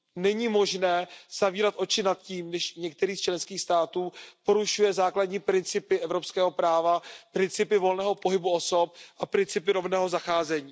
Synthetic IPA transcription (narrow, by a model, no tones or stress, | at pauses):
nɛɲiːmo̞ʒnɛːz̥aviːɾat̪ʔo̞t͡ʃɪnat̪̚ciːmnɛʃɲɛk̚t̪ɛɾiːst͡ʃlɛnskiːxst̪aːt̪uːpo̞ɾuʃujɛzaːkladɲiːpɾɪnt͡sɪpɪʔɛvɾo̞pskɛːɦo̞pɾaːvapɾɪnt͡sɪpɪvo̞lnɛːɦo̞po̞ɦɪbuo̞so̞p̚ʔapɾɪnt͡sɪpɪɾo̞vnɛːɦo̞zaxaːzɛɲiː